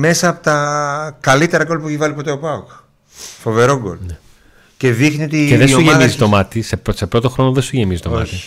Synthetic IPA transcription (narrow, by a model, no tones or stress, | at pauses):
me̞sɐːpo̥t̪ɐkɐlit̪e̞ɾɐɡo̞lpueçivɐlipo̞t̪e̞opɐuk | fo̞ve̞ɾo̞ɡo̰lne | ce̞ðixniot̪iceðeoʝemizist̪o̞mɐt̪iseposepɾo̞t̪oxɾo̞noðest̪uʝemizist̪omɐ̰t̪i